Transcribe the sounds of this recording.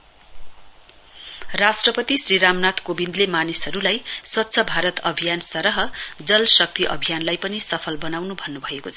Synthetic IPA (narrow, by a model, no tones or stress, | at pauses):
rasʈrʌpʌt̪isriɾamnat̪kobind̪lemanisɦʌɾulajswʌtːsʰʌbʱaɾʌt̪ʌbʱijansʌɾʌɦʌd͡zʌlsʌk̚t̪iʔʌ̰bʱijanlajpʌnisʌpʰʌlbʌnawnubʱʌnːubʱʌekot͡sʰʌ̥